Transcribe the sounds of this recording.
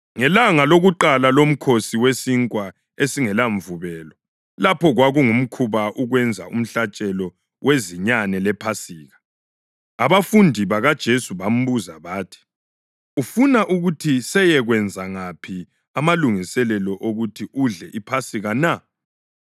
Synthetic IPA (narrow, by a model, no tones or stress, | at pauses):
ŋɛlaŋaloɣuǃalalom̩kʰosiwesiŋkʼwa | esiŋɛlaɱvuβɛːlɔ | lapʰɔɣwaɣuŋum̩kʰuβaʔuɣwɛnd͡zʱa̰ṵm̩ɬat͡ʃʼɛlɔ | wʔeziɲanɛlɛpʰasiːɣa | aβafundʱiβaɣad̥ʒ̥ʱesuβam̩βuzaβaːtʰi̥ | ufunaʔuɣutʰisɛjɛɣwɛnd͡zʱaŋapʰi | amaluŋisɛlɛlɔʔoɣutʰiʔuɮɛʔipʰasiɣana